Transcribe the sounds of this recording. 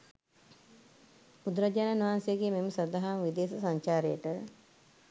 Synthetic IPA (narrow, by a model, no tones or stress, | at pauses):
ud̪ɾəd͡ʒananuʋansejəɡeːmeməsɐd̪aɦaːmʋid̪eːsəsaɲt͡ʃaːɾejəʈə